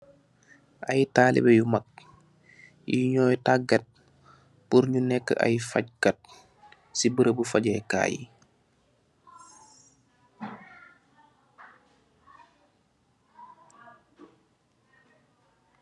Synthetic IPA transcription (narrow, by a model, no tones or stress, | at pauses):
ʔajtaːlḭbɛjumak̚ | jiɲɔjtaɡat̚ | puɾɲunɛkːə̰ʔa̰jfac̚kat̚ | sibəɾəbufaɟɛka̰ːjḭ